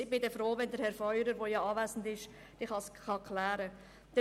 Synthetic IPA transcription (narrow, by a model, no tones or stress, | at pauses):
ɪbɪdɛfɾoːvɛndəɾhɛɾfœʏɾəɾʋojɑɑːvæːsn̩dɪʃ | d̥ɪχhɑsχɑkʰlæːɾə | d̥ɛ